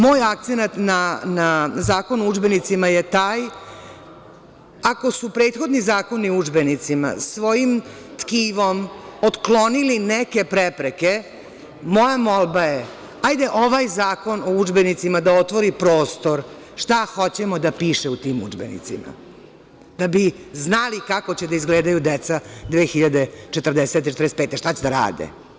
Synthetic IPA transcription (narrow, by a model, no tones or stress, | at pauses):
mo̞ːjak̚t̪senat̪nanazaːko̞nuud͡ʒbenit̪simajet̪aːj | ako̞supɾeːt̪xo̞d̪nizaːko̞niud͡ʒbe̞nit̪sima̰sʋo̞jim | t̪kiːʋo̞mot̪klo̞nilineke̞pɾepɾeke | mo̞jamo̞lbaje | ajd̪eʔo̞ʋajzaːko̞noud͡ʒbenit̪simad̪aot̪ʋo̞ɾipɾo̞ːst̪o̞ɾ | ʂt̪axo̞t͡ɕemod̪apiːʃeut̪iːmṵd͡ʒbḛnḭt̪sima̰ | d̪̥abiznalikako̞t͡ɕed̪aizɡleːd̪ajud̪et̪sad̪ʋeːxiʎad̪et͡ʃet̪ər̩d̪eset̪eet̪ɾd̪esepeːt̪eʃt̪at͡ɕed̪aɾa̰ːd̪ḛ